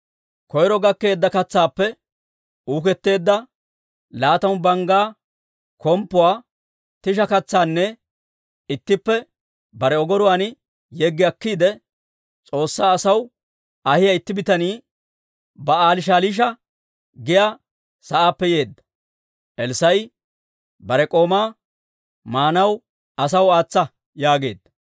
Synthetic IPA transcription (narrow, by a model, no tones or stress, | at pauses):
kɔjɾɔɡɐkːe̞ːd̪ːɐkɐt͡sːaːpːɛ | uːkɛt̪ːe̞ːd̪ːɐ | laːt̪ɐwbɐŋɡaː | kɔmpːʊwaː | t̪ɪʃ̬ɐkɐt͡sːaːnːɛ | ɪt̪ːɪpːɛ | bɐɾɛɔɡɔɾʊwaːnɪ | jɛɡːɪɐkːiːd̪ɛ | t͡sʼo̞ːsːaːsɐw | ɐhɪjɐɪt̪ːɪbɪt̪ɐniː | bɐaːlɪʃ̬aːliːʃ̬ɐ | ɡɪjaː | sɐʔaːpːɛje̞ːd̪ːɐ̥ | ʔɛlsɐj | bɐɾɛkʼo̞ːmaː | maːnɐw | ɐs̬ɐwaːt͡sːɐ | jaːɡe̞ːd̪ːɐ̥